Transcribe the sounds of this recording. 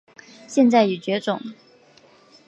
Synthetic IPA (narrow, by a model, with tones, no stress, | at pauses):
ɕjɛ˥˧nt͡sa˥˩ɪy˨˩t͡ɕɥɛ˧˥ʈ͡ʂʊ̰˨˩˦ŋ